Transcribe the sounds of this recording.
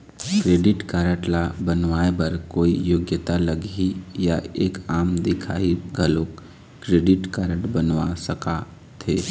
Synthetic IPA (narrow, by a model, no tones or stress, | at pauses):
kɾeːɖɪʈkaːɾəʈlabənʋaːebɐɾkoːijoːɡjət̪alɐɡijaeːkaːmd̪ɪkʰa̰ːiɡʱəloːk | kɾeːɖɪʈkaːɾəʈbənʋasəka | t̪ʰeː